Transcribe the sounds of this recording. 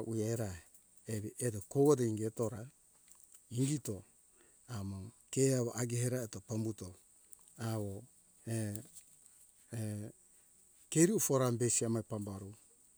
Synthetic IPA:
ʔuaeɾa | eβiʔedokowodeiŋɡeto̞ɾa | iŋɡito | amokeaβoʔaɡeheɾaetopambuto | aβo | e | keɾiufoɾambesiamajpambaɾu

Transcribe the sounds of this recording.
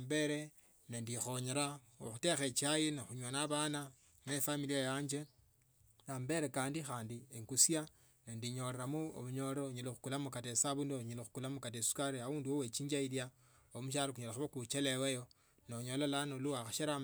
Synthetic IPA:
ambe̞ɾe | nendixoɲeɾa | o̰xutexet͡ʃiajinexuɲwanaβana | mefamiliajaːɲd͡ʒe̞ | nambe̞ɾe̞kaːndixaːndieŋkusja | nendiɲo̞leɾamuo̰βuɲo̞loɲelexukulamukatesaβundoɲelexu̥kulamukatesu̥kaɾiauːnduwowet͡ʃiːɲd͡ʒailja | omuʃ̬aɾokuɲelaxuβokut͡ʃelewejo | noɲo̞lalanoluwaxaʃeɾa

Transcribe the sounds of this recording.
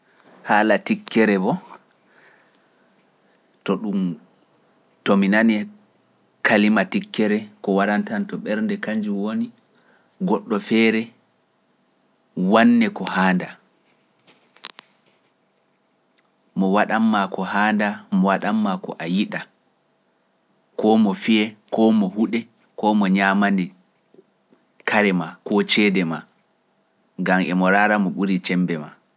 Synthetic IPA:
haːlatikːɛɾɛbɔ | tɔɗum | tɔminanɛ | kalimatikːɛɾɛkɔwaɗantantɔɓɛɾndɛkaɲd͡ʒiwoni | ɡɔɗːɔfɛːɾɛ | wanːɛkɔhaːnda | mɔwaɗamːakɔhaːndamɔwaɗamːakɔ̰ʔajiɗa | kɔmɔfiɛkɔmɔhuɗɛ | kɔmɔɲaːmanɛ | kaɾɛmakɔt͡ʃɛdɛma | ɡamʔɛmɔɾaːɾamɔɓuɾit͡ʃɛmbɛma

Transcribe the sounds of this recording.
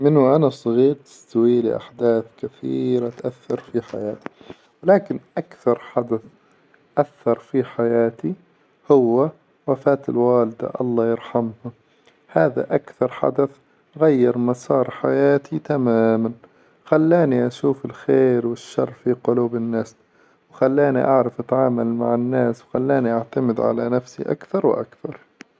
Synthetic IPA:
mɪnːʊʔanasˤɑɣiːɾt̪ɪ̥st̪awiːlɪ̰ʔa̰ħd̪aːθkaθḭːɾat̪ʔaθːɑɾˤfiħa̰jaːt̪i̥ | wɪlaːkɪnʔakθɑɾˤħad̪aθ | ʔaθːɑɾˤfiħajaːt̪i | hʊwːa | wafaːt̪ɪlwaːlɪd̪a̰ʔɑ̰lˤːɑːjɪɾħamha | haːða̰ʔakθɑɾˤħa̰d̪aθ | ɣajːɑɾˤmasˤɑːɾˤħajaːt̪ʰit̪amaːman | xalːaːniʔaʃuːfɪlxeːɾwɪʃːɑrˤːfiqʊluːbɪnːaːs | wxalːaːnḭʔaʕɾˤɑfʔat̪ʕaːmalmaʕɪnːaːswxalːaːniʔaʕt̪amɪd̪ʕa̰lanafsḭʔa̰kθɑɾˤw̰ʔa̰kθɑɾˤ

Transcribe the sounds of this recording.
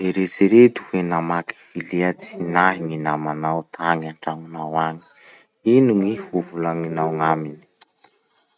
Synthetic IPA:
d̪eɾet͡siɾet̪u̥henamaki̥viliat͡si̥naɦiŋinamanawt̪ʰaŋaɳʈ͡ʂaŋunawaŋi̥ | inuŋihuvulaŋinawŋamini̥

